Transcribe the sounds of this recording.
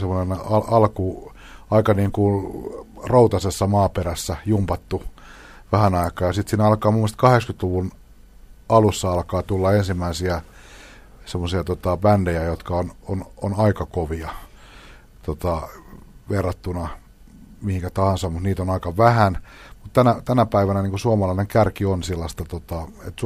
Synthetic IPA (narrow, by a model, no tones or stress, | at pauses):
semːˑonenɑɑlku | ɑikɑniːŋku | rout̪ɑsesːɑmɑːperæsːæjumpɑt̪ːu | ʋæhænɑikɑːjɑsit̪siːnɑlkɑːmumːest̪kɑhekskyt̪luʋun | ɑlusːɑɑlkɑːt̪ulːɑensimːæisiæ | semːosiɑt̪ot̪ɑbændejæjot̪kɑonononɑikɑkoʋiɑ | t̪ot̪ɑ | ʋerːɑt̪ːunɑ | mihiŋkæt̪ɑhɑnsɑmmut̪niːt̪onɑikɑʋæhæn | mut̪t̪ænæt̪ænæpæiʋænæniːkusuɑmɑlɑineŋkærkionsilːɑst̪ɑt̪ot̪ɑḛt̪s